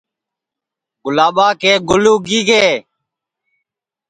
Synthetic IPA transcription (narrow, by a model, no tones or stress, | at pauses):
ɡʊlaːɓaːkeːɡʊluːɡiːɡeː